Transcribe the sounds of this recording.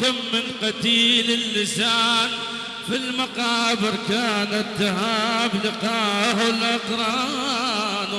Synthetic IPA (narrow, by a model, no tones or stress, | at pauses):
kamːɪnqɑt̪iːlɪlːɪsaːn | filmaqɑːbɪɾkaːnat̪ːahaːblɪqɑːhʊlʔɑqɾˤɑ | n